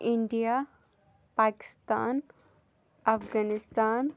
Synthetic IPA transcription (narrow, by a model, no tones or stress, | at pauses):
ɪɳɖijaː | paːkɪ̥st̪a̰ːn | ɐfɡaːnɪst̪aːn